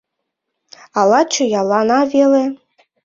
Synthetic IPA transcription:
ɑlˠɑt͡ʃʰujɑlˠɑnɑvele

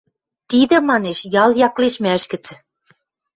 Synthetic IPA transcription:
t̪id̪ɘ̆mɑneʃjɑljɑkleʃmæʃkɘ̆t͡s

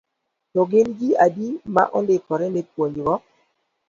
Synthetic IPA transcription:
tɔɡɪnɡiadima̰ʔɔndɪkɔɾɛnepwoɲwɔ

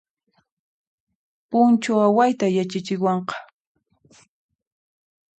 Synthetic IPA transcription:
pʊnt͡ʃaawajt̪ajat͡ʃat͡ʃɪwɑɴqɑ̥

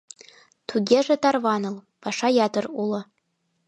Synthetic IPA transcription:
tʰuɡʲeʐatʰarvanɨl | paʂajatʰɨrula

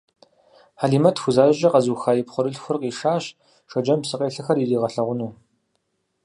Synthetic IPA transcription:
ħaːɮiːmɐtʰxʷʊzaːʑɐqɐzuːxaːjɪpχʷʊɾɨɬxʷʊrqiːʂaːɕ | ʂɐd͡ʒɐmsɨqʼeːɬɨxɐririːʁɐɬɐʁʷʊnuː

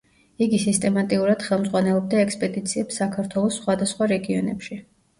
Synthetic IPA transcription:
iɡisist̪ʼɛmat̪ʼiuɾad̪̥χɛlˠmdzʁwanɛlˠɔb̚d̪aɛkspʼɛd̪it̪sʰiɛpsakʰaɾt̪ʰwɛlˠɔsːχwad̪asχwaɾɛɡiɔnɛ̰pʃi

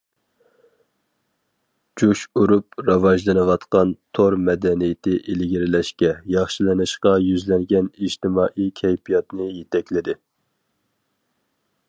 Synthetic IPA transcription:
d͡ʒuʃuɾupɾɑwɑʒlˠɨnɨwɑt̪qɑnt̪ʰoɾmɛd̪ɛnijɪt̪ʰɪʔelɡʲiɾɪlɛʃkʲɛjɑχʃilɪnɨʃqɑjyzlɛŋɡʲɛniʒt̪ɪmɑːʔikʲʰɛjpʰijɑt̪nɨɪjet̪ʰɛkʲlɪd̪ɪ

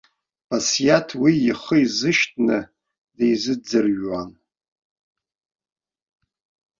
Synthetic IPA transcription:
bʰasijatʰwiiχəizɨʃtʼʰnɨ | dejzɨd͡zɨrɥwan

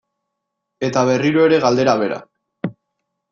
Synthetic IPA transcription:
e̞t̪aβ̞e̞riɾoe̞ɾe̞ɣald̪e̞ɾaβe̞ɾa̰

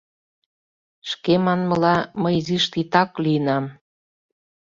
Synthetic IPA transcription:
ʃkemɑnmə̆lɑməjziʃt̪it̪ɑkliənɑm

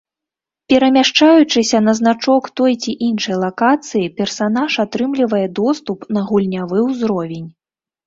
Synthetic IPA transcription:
pʲɛɾɐmʲaʂt͡ʂajut͡ʂɨsʲɐnɐznat͡ʂɔkt̪ɔjt͡sʲiʔinʂɐjlˠakat̪sɨjipʲɛrsanaʂat̪ɾɨmlʲivɐjɛd̪ɔst̪upnɐɣulʲnʲavɨwzɾɔvʲenʲ

